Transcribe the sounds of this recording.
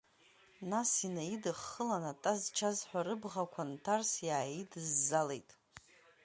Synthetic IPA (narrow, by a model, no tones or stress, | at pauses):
nasinaidɨχːəlanatʼazt͡ʃʰazħʷᶣaɾɨbʁakʷʰantʰarsjaːjidɨzːale̞jtʼ